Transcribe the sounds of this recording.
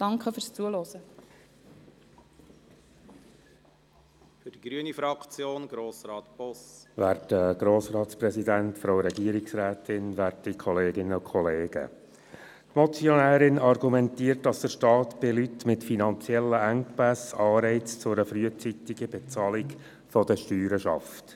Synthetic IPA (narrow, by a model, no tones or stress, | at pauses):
d̥ɑŋkχəfyːɾst͡suəlɔzə | fyd̥iɡɾyənifɾɑkt͡sjoːnɡ̥ɾoːsɾɑːtb̥ɔsʋæːɾtəɡ̥ɾoːsɾɑːt̪spɾɛsidæntfɾowɾɛɡiːəɾiksɾæːtɪnʋæɾtikʰɔleːɡɪnːəʊkʰχɔleːɡ̥ə̰ | tmɔt͡sjɔnæːɾɪnɑɾɡumɛntiːəɾtdɑsd̥̪əʃtɑːt̪b̥ɪlytmɪtfinɑnt͡sjɛlːəæŋkpæsɑːɾɛɪt͡st͡sʊɾəfɾyət͡sit̪ɪɡəbɛt͡sɑːlɪk | fɔdəʃtyːɾəʃɑ̰ft